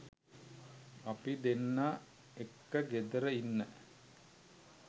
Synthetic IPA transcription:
ɐpid̪enːa | ekːəɡed̪əɾəinːə

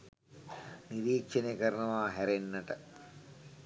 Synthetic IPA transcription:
niɾiːkʃenekəɾənuʋaːɦæɾenːɐʈə

